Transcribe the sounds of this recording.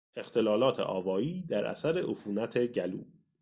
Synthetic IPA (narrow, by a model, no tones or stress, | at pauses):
e̞xt̪ʰe̞lɒːlɒːt̪ʰḛʔɒːvɒːiːd̪æɾʔæ̰sæɾeʔofuːnæt̪ʰeɟælṵː